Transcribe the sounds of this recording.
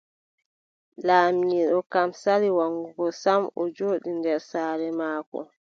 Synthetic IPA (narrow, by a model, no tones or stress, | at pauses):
laːmiːɗɔkamsaɾiwaŋɡuɡɔsamɔd͡ʒoːɗindɛɾsaːɾɛmaːkɔ̰